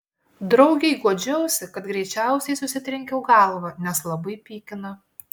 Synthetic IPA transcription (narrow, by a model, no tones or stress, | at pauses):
d̪ɾɒʊɡʲɛɪɡuɔd͡ʒʲoʊsʲɪkɐt̪ɡɾʲɛɪt͡ʃʲæˑʊsʲɛɪsʊsʲɪt̪ʲɾʲɪŋʲkʲɛʊɡɐlˠʋɐnʲɛslˠɐbɐɪpʲiːkʲɪnɐ